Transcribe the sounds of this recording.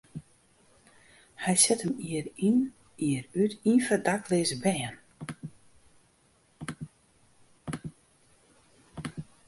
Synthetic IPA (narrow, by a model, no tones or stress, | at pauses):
hɛjsɛtəmiərin | iəɾytinfərdaklɪzəbɛːən